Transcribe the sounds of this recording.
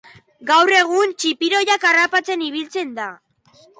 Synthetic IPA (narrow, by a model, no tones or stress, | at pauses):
ɡawre̞ɣ̞unt͡ʃipiɾo̞jakarapat͡se̞niβ̞ilt͡se̞nd̪a